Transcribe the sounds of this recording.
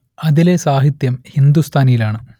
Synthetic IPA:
ɐðile̞saːɦit̪jɐmhind̪ust̪ʰaːnijilaːɳɨ

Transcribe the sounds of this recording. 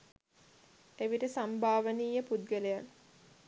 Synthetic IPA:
eʋiʈəsambʱaːʋəniːjəpud̪̚ɡəlejan

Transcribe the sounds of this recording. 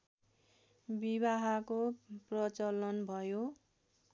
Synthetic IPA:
biβaɦakoprʌt͡sʌlʌnbʱʌjo

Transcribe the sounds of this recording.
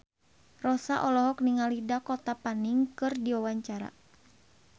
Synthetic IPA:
rɔsaʔɔlɔɦɔkniŋalidakɔt̪apaniŋkɨrdiwawaɲt͡ʃaɾa̰

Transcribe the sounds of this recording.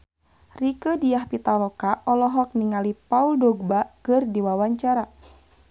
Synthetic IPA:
rikədijahpit̪alɔkaʔɔlɔɦɔk̚niŋalipauldɔɡ̚bakɨrdiwawaɲt͡ʃaɾa

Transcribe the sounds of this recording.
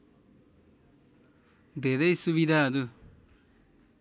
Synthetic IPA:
d̪ʱeɾʌjsuβid̪ʱaːdu

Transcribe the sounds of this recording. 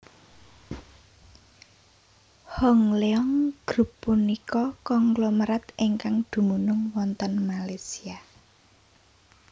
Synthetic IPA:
hɔŋleɔŋɡ̥ɾṳpːunikɔkɔŋɡlɔməɾat̪iŋkaŋd̪̥ṳmunʊŋwɔnt̪ənmalesia

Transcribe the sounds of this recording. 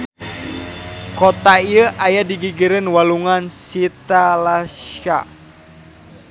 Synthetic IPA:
kɔt̪aiəʔajadiɡiɡəɾənwaluŋansit̪alasa̰

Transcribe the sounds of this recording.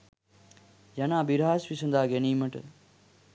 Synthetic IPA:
jɐnãːbiɾaːsʋisənd̪aːɡeniːməʈ

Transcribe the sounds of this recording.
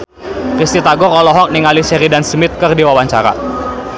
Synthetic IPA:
kist̪it̪aɡɔɾɔlɔɦɔk̚niŋalisɛɾidansmɪt̪̚kərdiwawaɲt͡ʃaɾa̰

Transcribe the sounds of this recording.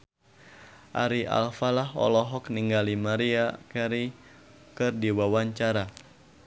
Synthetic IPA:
ʔa̰ɾiʔa̰lfalaɦɔ̰lɔɦɔkniŋɡalimaɾiakaɾi | kɨrdiwawaɲt͡ʃaɾa

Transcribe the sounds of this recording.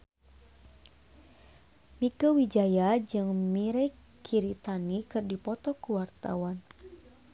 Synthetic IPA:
mikəwid͡ʒajad͡ʒɨŋmiɾɛ | kʰiɾit̪anikɨrdipɔt̪ɔkuwart̪a̰wan

